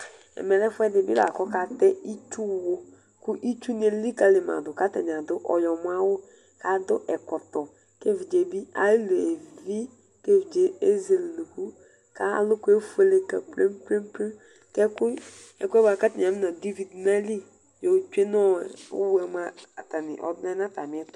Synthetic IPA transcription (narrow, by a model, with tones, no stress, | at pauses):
ɛ̰˨mɛ˨lɛ˦fʊ˦ɛ˦dɪ˨bɪ˦la̰˨kɔ˦ka˨tɛ˦i˦t͡ʃu˦˨wʊ˦ | kʊ˦ʔi˦t͡ʃu˦n˦e˨li˦ka˦lɪ˨ma̰˨dʊ˨ka˦tɛ̰˨nɪ˨a˨dʊ˦ʔɔ̰˨jɔ˨mʊ˦a˦wʊ˦ | ka˦dʊ˦ʔɛ˨kɔ˨tɔ˨ | ke˦vi˨d͡ʒe˨bi˦a̰˨˦le˨e˨vi˦ | ke˦vi˨d͡ʒe˦e˦ze˨lnu˨ku˦ | ka̰˦lʊ˦kʊ˦e˦fu˦e˦le˦kɛ˨ple˦m˦ple˦m˦plɪ˦ | kɛ˦kʊ˦ | ɛ˨˦kʊ˦ɛ˦ba˨ka˦tɛ˨a˨mɪ˦na˨de˦vi˨dna˦li˦ | jo˨t͡ʃu˦e˦nɔ˦˨wʊ̰˦wɛ˨m˦a˦˨ta˨nɪ̰˨ʔɔ̰˦bna˦na˦ta˨mɪ˨˦ɛ˦tʊ̥˨